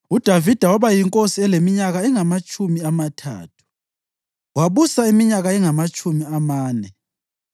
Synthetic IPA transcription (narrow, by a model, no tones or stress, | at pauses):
ud̥ʱavid̥ʱawaβajiŋkʼosiɛlemiɲaɣaɛŋamat͡ʃʼʰumiamatʰa̰ːtʰu̥ | waβusaimiɲaɣaɛŋamat͡ʃʼumiamaːnɛ